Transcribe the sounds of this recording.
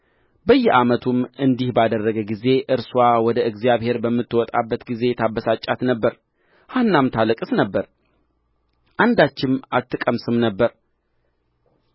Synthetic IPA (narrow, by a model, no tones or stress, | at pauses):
bəjːɛʔamət̪ʰumɨnd̪ihbad̪ərːəɡəɡize̞ʔɨɾswawɔd̪əɨɡzjaβhe̞ɾbəmːɨt̪ːwɔt̪ʼa̰bːət̪ɡize̞t̪ʰabːəsat͡ʃʼːat̪nəbːəɾ | hanːamt̪ʰalɨkʼɨsnəbːəɾ | ʔand̪at͡ʃːɪmat̪ːɨkʼəmsɨmnəbːəɾ